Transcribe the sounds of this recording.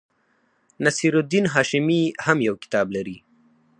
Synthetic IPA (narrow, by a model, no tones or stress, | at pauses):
nasiɾʊd̪inɦɑːʃɪmihamjawkɪ̥t̪ɑːblaɾi